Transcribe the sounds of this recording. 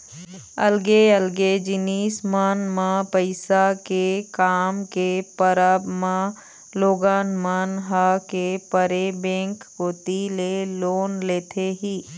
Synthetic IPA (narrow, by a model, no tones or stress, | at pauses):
ɐlɡeəlɡed͡ʒɪniːsmaːnmãpəɪsakekaːmkepəɾəbmã | loːɡaːnmaːnɦakepəɾebɛ̃ːŋkkot̪iːleloːnleːt̪ʰeɦiː